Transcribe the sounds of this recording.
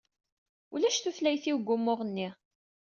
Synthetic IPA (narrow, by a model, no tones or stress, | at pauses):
ulæʃθuθlæjθiwɡʷːʊmːʊʁənːi